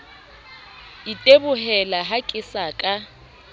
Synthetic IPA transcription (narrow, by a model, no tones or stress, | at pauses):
itʼebʊhɛlaɦakʼɪsakʼa